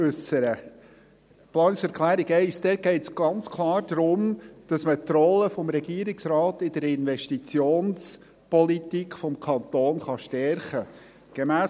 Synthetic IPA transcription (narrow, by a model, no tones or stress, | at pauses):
ʉsəɾə | plɑːnɪksɛɾkʰlæːɾiɡɛɪsd̥̪ɛɡ̥ɛɪtsɡ̥ɑnt͡skʰlɑːɾd̥ɾʊmd̥ɑsmətrɔləfɔmɾɛɡiəɾɪksɾɑːtɪd̥əɾɪnvɛʃtit͡sjoːns | pɔlitikχfɔmkʰɑnt̪oːnχɑʃtɛɾχə | ɡ̥emæː